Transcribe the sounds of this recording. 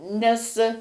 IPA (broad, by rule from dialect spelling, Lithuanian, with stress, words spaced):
nʲɛs